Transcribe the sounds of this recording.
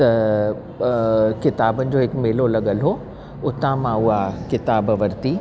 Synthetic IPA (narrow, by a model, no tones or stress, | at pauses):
t̪ɐ | kɪt̪aːbənɪ̆d͡ʑoːɦɪkmeːlolɐɠəlɦo | ʊt̪ãmãʊɦakɪt̪aːbʋɐɾt̪iː